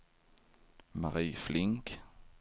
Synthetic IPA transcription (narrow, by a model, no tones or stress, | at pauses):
ma̰ɾiːflɪŋk